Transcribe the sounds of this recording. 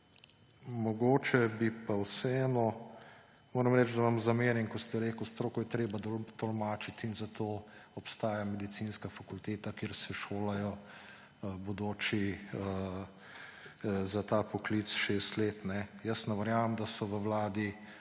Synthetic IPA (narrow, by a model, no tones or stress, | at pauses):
mɔɡoːt͡ʃɛbipawsɛɛːnɔ | moːɾɐmɾɛt͡ʃd̪aʋamzameːɾjɛnkɔst̪ɛɾeːkwst̪ɾoːkɔjɛt̪ɾeːbad̪t̪ɔlmaːt͡ʃit̪inzat̪oːɔpst̪aːjamɛd̪it̪siːnskafakult̪eːt̪akjeːɾsɛʃoːlajɔ | bɔd̪oːt͡ʃiə | zat̪aːpɔkliːt̪sʃeːst̪leːt̪nɛjəsnɛʋɐɾjaːʋɐmd̪asɔʋəwlaːd̪i